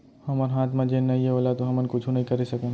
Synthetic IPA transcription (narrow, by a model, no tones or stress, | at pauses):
hɐməɾɦaːt̪mãd͡ʒeːnːɐɦĩɦɛoːlat̪oɦɐmənkʊt͡ʃʰũnɐɦĩkɐɾesɐkẽ